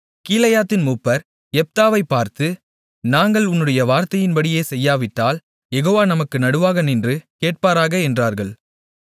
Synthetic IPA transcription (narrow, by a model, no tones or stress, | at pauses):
kiːlɐjaːt̪ːɪnmuːpːɐɾ | ɛp̚t̪aːʋɐɪpːaːɾt̪ɯ | naːŋɡɐɭʊnːɯɽɐjɐʋaːɾt̪ɐjɪnbɐɽɪjeːsɛjːaːʋɪʈːaːl | jɛɣoːʋaːnɐmɐkːɯnɐɽɯʋaːɣɐnɪndrɯkeːʈ̚paːɾaːɣɐɛndraːɾɣɐɭ